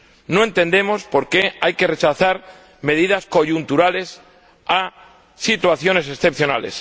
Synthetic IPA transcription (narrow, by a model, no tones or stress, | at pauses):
noe̞nt̪e̞nd̪e̞mo̞spo̞ɾke̞ajke̞ret͡ʃaθaɾ | me̞ð̞ið̞asko̞ʝunt̪uɾale̞s | a | sit̪waθjo̞ne̞s̬e̞sθe̞pθjona̰le̞̰s